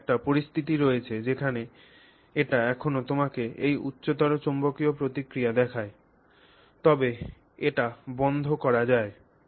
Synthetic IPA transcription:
k̚ʈapoɾist̪ʰit̪iɾoet͡ɕʰed͡ʑekʰane | eʈaɛkʰonot̪omakeʔejutːɕot̪ɔɾot͡ɕombokiopɾot̪ikɾijad̪ɛkʰae | t̪ɔbe | eʈabɔnd̪ʱokɔɾad͡ʑae

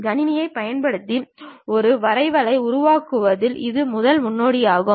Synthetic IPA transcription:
ɡɐnɪnɪjɐɪpɐjɐnpɐɽɯt̪ːiɔɾɯʋɐɾɐɪʋɐlɐɪʊɾʊʋaːkɯʋɐðɪlʔɪðɯmʊðɐlmʊnːoːɽijaːɣɯ

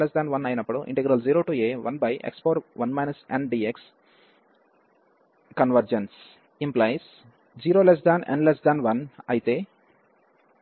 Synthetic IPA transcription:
lesd̪aːnʋɐnɐːjinɐpːuɽuʔḭɳʈeɡɾɐld͡ʒiːɾoːʈuːeːʋɐ̰nbɐjʔḛkspoːɾʋɐnmajnɐsḛɳɖɖieks | kɐnʋɐɾd͡ʒens | implajs | d͡ʒiːɾoːles̬d̪aːnʔḛɳɖles̬d̪anʋɐnɐ̰jit̪eː

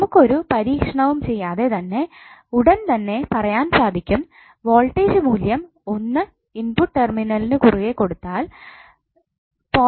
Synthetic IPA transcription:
mukːo̞ɾupɐɾiːkʂɐɳɐʋumt͡ɕe̞jːaːðe̞t̪ɐnːe̞ | uɽɐnt̪ɐnːe̞pɐrɐjaːnsaːd̪ʱikʲːum | ʋo̞ːɭʈːeːd͡ʑɨmuːljɐm | o̞nːɨ | inpuʈːerminɐlinɨkuriʋe̞kːo̞ɽut̪ːaːl | po

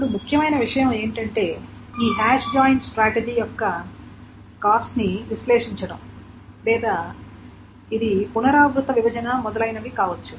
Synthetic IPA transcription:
ɐɽumukʰjɐmɐjnɐʋiʂɐjɐme̞ːɳʈɐɳʈe̞ː | iːɦaːʂd͡ʒaːjɳɖsʈɾaːʈed͡ʒiːjɔkːɐ | kaːsʈniʋislɛːʂiɲt͡ʃɐɽɐm | lɛːd̪ɐ | id̪ipunɐɾaːɡɾut̪ɐʋibɐd͡ʒɐnɐmɔd̪ɐlɐjnɐʋikaːʋɐt͡ʃːu

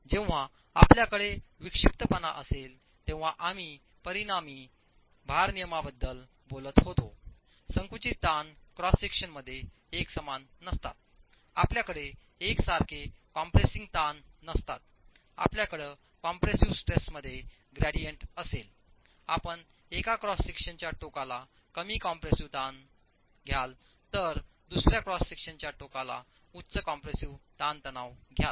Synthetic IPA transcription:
d͡ʑẽʋ̃ʋ̤a | a̰pljakəɽeʋikʂip̚t̪əpənaʔəsel | t̪ẽʋ̤̃aʔami | pəɾinamiː | bʱaɾnijəmabəd̪ːəl | bolət̪ɦot̪o | səŋkut͡ɕit̪ːankɾɔsikʂənməd̪ʱːje | eksəmanːəst̪a̰t̪̚ | a̰pljakəɽeː | ksaɾkʰekɔmpɾesiŋɡt̪anːəst̪a̰t̪̚ | a̰pljakəɽə | kɔmpɾesiʋsʈɾesməd̪ʱːje | ɡɾæɽijəɳʈəsel | a̰pəɳ | ekakɾɔsikʂənt͡ɕjaʈokala | kəmiːkɔmpɾesiʋt̪an | ɡʱjal | t̪əɾ | d̪usɾjakɾɔsːikʂənt͡ɕjaʈokala̰ | ut̪ːt͡səkɔmpɾesiʋt̪ant̪ənaʋɡʱjal

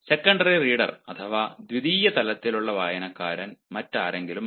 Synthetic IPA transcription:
se̞kːɐɳɖɐririːɽɐ̰rɐt̪ʰɐʋaːd̪ʋid̪iːjɐt̪ɐlɐt̪ːiluɭːɐʋaːjɐnɐkːaːɾɐnmɐtːaːɾe̞ŋɡilum

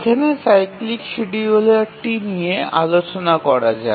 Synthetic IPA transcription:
kʰanesajkliksiɖiolaʈinijea̰lot͡ɕonakɔɾad͡ʑa̰

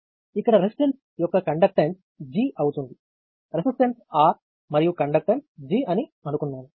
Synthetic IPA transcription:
ikːɐɽɐɾesi̥ʈens | jɔkːɐkɐɳɖɐk̚ʈens | d͡ʒiːʔɐwut̪und̪i | ɾesisʈensaː | mɐɾijukɐɳɖɐk̚ʈɐɳsd͡ʒiːɐniɐnukunːaːnu

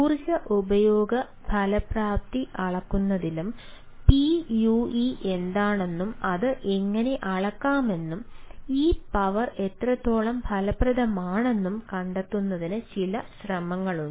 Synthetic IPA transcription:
kurɕɐʔubɐjoːɡɐ | bʱɐlɐpraːp̚t̪iʔɐɭɐkːunːɐðilum | pijuiʔe̞nd̪aːɳe̞nːumɐðɨʔe̞ŋːɐne̞ʔɐɭɐkːaːme̞nːumiːpɐʋɐre̞t̪rɐt̪ːo̞ːɭɐmbʱɐlɐprɐðɐmaːɳe̞nːumkɐɳɖɐt̪ːunːɐðinɨt͡ɕilɐɕrɐmɐŋːɐɭuɳ

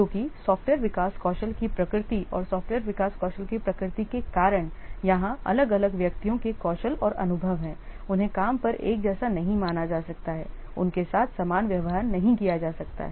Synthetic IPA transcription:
d͡ʒõːkisɔːfʈwʋeːɾʋɪkaːskɔːʃəlkipɾɐkɾɪt̪iɔːɾsɔːfʈweːɾʋɪkaːskɔːʃəlkipɾɐkɾɪt̪ikekaːɾəɽ̃jɐɦãɐ̰ləɡɐləɡʋjɐkt̪ijõkekɔːʃəlɔːɾɐ̰nʊbʱəʋɦɛ̃ːʊnɦẽkaːmpɐɾḛːk̚d͡ʒɛːsanɐɦĩmaːnad͡ʒaːsɐkt̪aɦɛ̰ː | ʊnkesaːt̪ʰsaːmaːnʋjɐʋɦanɐɦĩkijad͡ʒaːsɐk̚t̪a̰ɦɛː

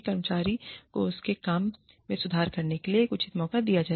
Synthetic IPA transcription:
kɐɾmət͡ʃaːɾikoʊskekaːmː | ẽsʊd̪ʱaːɾkɐɾnekeliekʊt͡ʃʰɪt̪mɔːkad̪ijad͡ʒaː

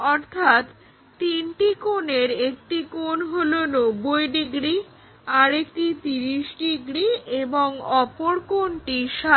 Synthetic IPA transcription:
ɔɾt̪ʰat̪ː | inʈikoneɾek̚ʈikonɦolonobːojɖiɡɾi | aɾekʈit̪iɾiʃɖiɡɾieboŋɔpoɾkonʈiʃa

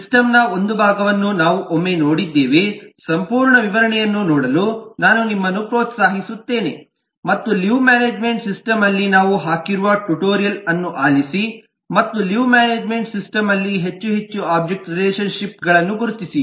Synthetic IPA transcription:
sisʈɐmnɐo̞nd̪ubʱaːɡɐʋɐnːunaːʋuʔomːe̞no̞ːɽid̪ːeːʋesɐmpuːɾɳɐʋiʋɐɾɐɳɛjɐnːunɔːɽɐlunaːnunimːɐnːupɾoːt̪saːɦisut̪ːe̞ːne̞̰ | mɐt̪ːuliʋmaːneːd͡ʒme̞ɳʈsisʈɐmɐlːinaːʋuɦaːkiɾuʋɐʈuʈoːɾijɐlɐnːuʔaːlisi | mɐt̪ːuliʋmaːneːd͡ʒme̞ɳʈsisʈɐmɐlːiɦe̞t͡ʃːuɦe̞t͡ʃːuaːb̚d͡ʒek̚ʈɾileːʃɐnʃip̚ɡɐɭɐnːuɡuɾut̪isi

